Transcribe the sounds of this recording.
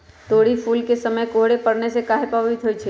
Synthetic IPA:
t̪oːɽipʰuːlkesəməjkoɦɽepəɽnesekaːɦepəʋit̪ɦoit͡ʃʰe

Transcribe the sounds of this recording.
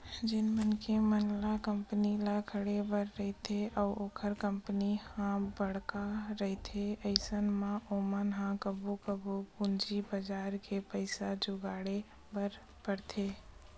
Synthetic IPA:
d͡ʒɪnmənkemənlakəmpnilakʰəɽebəɾːəɦɪt̪ʰeʔɔːoːkʰəɾkəmpənihãbəɽkaɾəɦit̪ʰeəɪsənmãʔoːmənɦãkəbukəbukʊnd͡ʒibəd͡ʒaːɾkʰepəɪsad͡ʒʊɡaːɽe | bəɾ | pəɽt̪ʰeː

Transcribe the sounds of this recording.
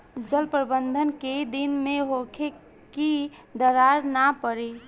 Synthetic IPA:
d͡ʒəlpɾbənd̪ʱənked̪inmẽɦokʰe | kid̪əɾaɾnapəɾi

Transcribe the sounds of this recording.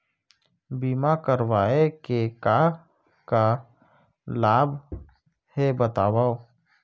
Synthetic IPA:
biːmakəɾwaːekeka | ka | laːbʱ | hebət̪aːwao

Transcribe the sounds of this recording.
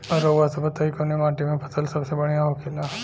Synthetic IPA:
ɔɾoːʋasɐbət̪ːɐikonemaːʈimẽpʰɐt̪ʰəlsɐbsebɐɽ̃jaɦokʰelaː

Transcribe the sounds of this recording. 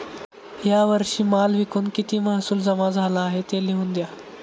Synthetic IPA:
ɦjaʋəɾʂiːmaːlʋikuːnkit̪iːmaɦsuːld͡zɐmad͡zʱalaːɦet̪eliɦũnd̪ja

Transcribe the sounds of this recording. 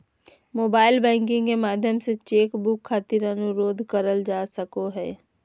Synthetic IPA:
moːbaːɪlbɛ̃ːŋkɪ̃ŋɡkemaːd̪ʱjəmset͡ʃeːkbʊkʰːaːt̪ɪɾɐnʊɾoːd̪ʱkəɾəld͡ʒaːsəkoɦɛː

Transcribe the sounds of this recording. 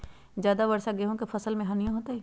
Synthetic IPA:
zjaːd̪abɐɾsaɡeːɦõkefʰɐsəlmẽɦɐnijãɦoːt̪ai

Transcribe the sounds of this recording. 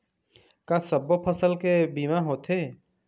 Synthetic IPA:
kasəbopʰəsəlkebiːmaɦoːt̪ɦeː

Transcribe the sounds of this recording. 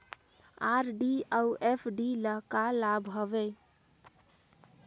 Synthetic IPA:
aɾɖiauʔepʰɖiləɦkalabɦobɛ

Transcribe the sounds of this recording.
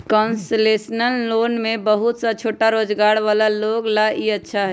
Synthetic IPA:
kɔnslesnəlːoːnmebəɦut̪sat͡ʃʰoːʈaɾod͡ʒɡaːɽʋaːlaloɡlaiətːʃʰaɦɛ

